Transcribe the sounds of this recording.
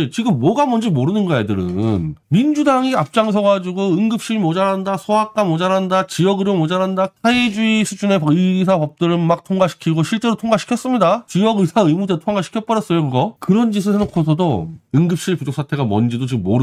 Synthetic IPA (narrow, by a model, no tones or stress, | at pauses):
t͡ɕiɡɯmːʌɡamʌnd͡ʑimoɾɯnɯnɡʌjedɯɾɯ̰nmind͡ʑudaŋiap̚t͡ɕ͈aŋsʰʌɡad͡ʑiɡoɯŋɡɯp̚ɕ͈iɾimod͡ʑaɾɦandasʰoɦak̚k͈amod͡ʑaɾɦandat͡ɕijʌɡɯɾomod͡ʑaɾɦandaaid͡ʑuisʰud͡ʑune̞pɯsʰapʌp̚t͈ɯɾmak̚tʰoŋɡaɕʰi̥kʰiɡoɕʰiɭt͡ɕ͈e̞ɾotʰoŋɡaɕʰi̥kʰjʌs͈ɯmɲidat͡ɕijʌɡɯsʰaɯmudetʰoŋɡaɕʰi̥kʰjʌt̚p͈ʌɾjʌs͈ʌjokɯɡʌkɯɾʌnd͡ʑisʰɯsʰenokʰosʰʌdoɯŋɡɯp̚ɕ͈iɭpud͡ʑok̚sʰatʰe̞ɡamʌ̰nd͡ʑidot͡ɕiɡɯmːoɾɯ